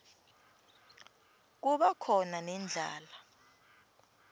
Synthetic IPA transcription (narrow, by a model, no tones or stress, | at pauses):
k̬uɓakʰɔnanɛnd͡ɮʱa̰ːla